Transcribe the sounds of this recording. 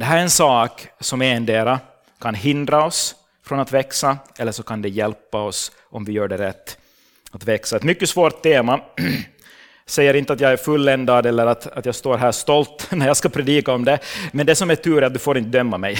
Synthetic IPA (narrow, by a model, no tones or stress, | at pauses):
d̪ɛɦæːɾɛɾɛnsɑːksɔmɛɛnd̪eːɾa | kʰanɦɪnd̪ɾaɔs | fɾɔnat̪vɛksaʔɛlːəʂɔkʰand̪ɛjɛlpːaɔs | ʔɔmvɪjœːɖɛɾɛt̪ː | at̪vɛksaɛt̪mʏkːəsvoːɾt̪ʰːeːma | sɛjːəɾɪnt̪əat̪jaːɡæɾfɵlːɛnd̪ad̪ɛlːəɾat̪at̪jɑːɡst̪oːɾɦæːʂt̪ɔlt̪næɾjaːskapʰɾɛd̪iːkaɔmd̪ɛmɛnd̪ɛsɔmæʈʰʉːɾat̪̚d̪ɵfoːɾɪnt̪əd̪œmːamɛj